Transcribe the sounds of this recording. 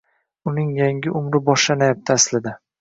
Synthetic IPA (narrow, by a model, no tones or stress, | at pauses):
ʊnɪŋjaŋɡʲɪʔʊmɾɪbɒʃlanajap̚t̪ʰaaslɪd̪a